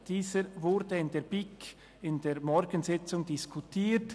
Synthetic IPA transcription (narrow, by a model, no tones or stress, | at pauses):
d̥iːzəɾvʊɾdəɪndeːb̥ɪk | ɪndeːɾmɔɾɡənzɪt͡sʊŋdɪskʰutʰiːɾt